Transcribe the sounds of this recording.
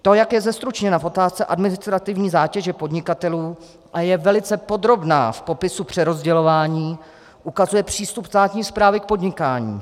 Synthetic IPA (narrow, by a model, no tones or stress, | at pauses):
t̪o̞jakjɛzɛst̪ɾut͡ʃɲɛnafo̞t̪aːst͡sɛʔa̰dmɪnɪst̪ɾat̪ɪvɲiːzaːcɛʒɛpodɲɪkat̪ɛluː | ʔajɛvɛlɪt͡sɛpo̞d̪ɾo̞bna̰ːfpo̞pɪsupr̝̥ɛɾo̞zɟɛlo̞vaːɲiː | ʔukazujɛpr̝̥iːst̪upst̪aːt̪ɲiːspɾaːvɪk̚po̞dɲɪkaːɲḭː